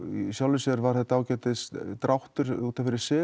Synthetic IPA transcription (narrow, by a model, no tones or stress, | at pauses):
isjawlvɪsɛɾvaɾ̥θɛt̪aaːwcɛːt̪ɪst̪ɾawht̪ʏɾ̥uːt̪afɪɾɪ̥ɾsɪː